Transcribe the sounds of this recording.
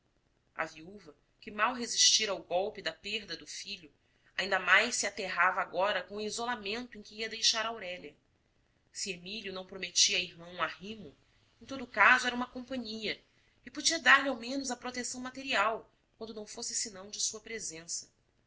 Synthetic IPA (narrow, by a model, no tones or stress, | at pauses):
ɐ̰viuvɐ | kɪmawɦeziʃt͡ʃiɾawɡɔwpɪd̪ɐpeɾd̪ɐd̪ʊfiʎʊ | aĩnd̪ɐmajʃsiat̪eɦavaɡɔɾɐkõw̃ʊizolamẽnt̪ʊẽj̃kɪiɐd̪ejʃaɾɐawɾɛʎɐ | sɪemiljʊnɐ̃w̃pɾomet͡ʃiɐiɦmɐ̃ũahĩmʊ | ẽt̪od̪ʊkazʊɛɾɐũmɐkõmpɐ̃ɲiɐ | ɪpod͡ʒiɐd̪aɾlʲɪawmẽnʊzɐpɾot̪esɐ̃w̃mat̪eɾiaw | kwɐ̃nd̪ʊnɐ̃w̃fosɪsɪnɐ̃w̃d͡ʒɪsuɐpɾezẽsɐ̥